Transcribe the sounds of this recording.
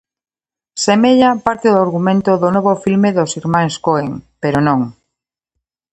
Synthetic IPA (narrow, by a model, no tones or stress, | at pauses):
semeʎapaɾt̪eðoaɾɣumẽnt̪oðonoβofilmeðosiɾmãŋskoeŋpeɾonõŋ